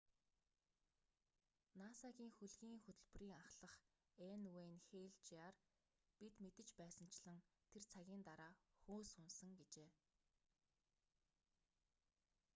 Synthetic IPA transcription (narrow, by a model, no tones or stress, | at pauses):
naːsaɣʲiːŋxɵɮɣʲiːŋxɵt̪ɵ̆ɮpɵ̆riːŋaχɮə̆χ | enweːnxeːɮt͡ɕaːr | pit̪met̪ɘ̆t͡ɕpæːsə̆n̥t͡ɕɮə̆ŋt̪ʰert͡sʰaɣʲiːnt̪aɾaːxoːsʊnsə̆ŋɡet͡ɕeː